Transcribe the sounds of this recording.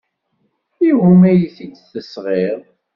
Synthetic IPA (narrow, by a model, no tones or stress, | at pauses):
ihumæjiθit͡sːθəsʁeʁˤ